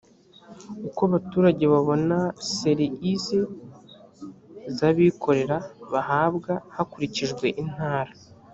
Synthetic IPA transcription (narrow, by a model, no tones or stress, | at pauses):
ukoβatuːɾaɟe̞βaβo̞nase̞ɾiize | zaβikʰo̞ɾe̞ɾaβaɦaːbɡahakuɾiciʒɡwe̞ʔin̥haːɾa